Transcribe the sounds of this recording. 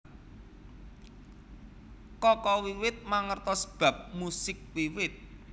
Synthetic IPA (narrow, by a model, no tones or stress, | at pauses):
kɔkɔwiwɪt̪̚maŋərt̪ɔsə̥b̥ä̤p̚musɪk̚wiwɪt̪̚